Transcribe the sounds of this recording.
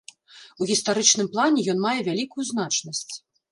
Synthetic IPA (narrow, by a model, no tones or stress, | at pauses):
uɣʲist̪aɾɨt͡ʂnɨmplˠanʲɛjɔnmajɛvʲalʲikujuznat͡ʂnɐsʲt͡sʲ